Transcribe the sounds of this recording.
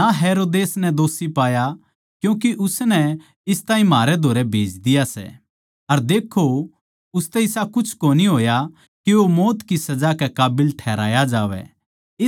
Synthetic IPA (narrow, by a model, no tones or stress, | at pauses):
aɦeːɾoːd̪eːsnɛd̪oːsipaːja | kjũːk̬iʔʊsnɛ | ɪst̪aːĩmaːɾɛd̪ʱoːɾɛbʱeːd͡ʒd̪ɪjasɛ̰ | ɐɾd̪eːkʰːo | ʊst̪ɛɪsakʊt͡ʃʰkoːniɦoːja | kiomoːt̪kisɐd͡ʒakɛkaːbɪlʈʰɛːɾa̰ːjad͡ʒaːʋɛ̰ | ɪ